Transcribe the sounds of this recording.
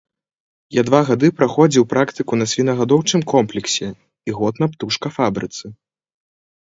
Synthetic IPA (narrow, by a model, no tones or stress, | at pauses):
jad̪vaɣad̪ɨpɾaxɔd͡zʲiwpɾakt̪ɨkunɐsʲvʲinɐɣad̪ɔwt͡ʂɨmkɔmplʲɛksʲɛ | iɣɔt̪nɐpt̪uʂkɐfabɾɨt̪sɨ